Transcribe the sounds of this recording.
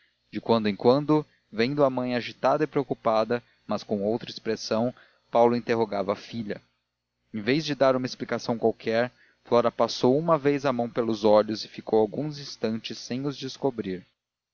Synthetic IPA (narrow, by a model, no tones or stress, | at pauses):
d͡ʒɪkwɐ̃nd̪ʊẽkwɐ̃nd̪ʊ | vẽj̃d̪ʊamɐ̃j̃aʒit̪ad̪ɐɪpɾeokupad̪ɐ | mɐskõw̃owt̪ɾɐispɾesɐ̃w̃ | pawlʊĩnt̪eɦoɡavɐːfiʎɐ | ẽvejzd͡ʒɪd̪aɾũmɐesplikasɐ̃w̃kwawkʰɛɾ | flɔɾɐpasowumɐvejzɐmɐ̃w̃pelʊzɔʎʊzɪfikowawɡũzĩst̪ɐ̃nt͡ʃɪsːẽj̃ʊzd͡ʒɪskobɾiɾ